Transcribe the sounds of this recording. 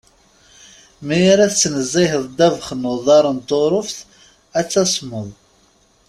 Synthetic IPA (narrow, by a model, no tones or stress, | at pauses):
mæjaɾæθt͡sːənəzˤːiɦəðˤd̪ævχnʊðˤɑɾˤənt̪ːoɾˤʊfθ | æt͡sːæsˤməðˤ